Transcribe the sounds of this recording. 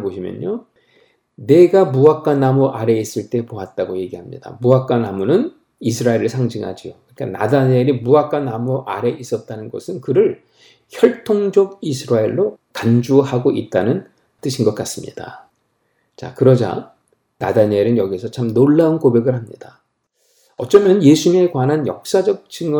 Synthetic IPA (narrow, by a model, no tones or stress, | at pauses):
boɕʰimjʌ̰ɲɲo | ne̞ɡamuak͈anamoʔaɾe̞is͈ɯɭt͈e̞poat̚t͈aɡoje̞ɡiɦamɲḭda̰muak͈anamunɯn | isʰɯɾaeɾɯɭsʰaŋd͡ʑiŋɦa̰d͡ʑiokɯɲik͈a̰na̰daɲeɾimuak͈anamuʔaɾe̞ʔis͈ʌt̚t͈anɯnɡʌ̰sʰɯnkɯɾɯɭ | çjʌɭtʰoŋd͡ʑʌɡisʰɯɾaeɭːokand͡ʑuhaɡoʔit̚t͈anɯn | t͈ɯɕʰinɡʌk͈as͈ɯmɲḭda̰ | t͡ɕa̰kɯɾʌd͡ʑa̰ | na̰daɲeɾɯnjʌɡisʰʌt͡ɕʰamnoɭːaunkobe̞ɡɯɭɦamɲida | ʌt͡ɕ͈ʌmjʌnje̞sʰume̞kwanɦanjʌ̰k̚s͈ad͡ʑʌk̚t͡ɕ͈ɯŋ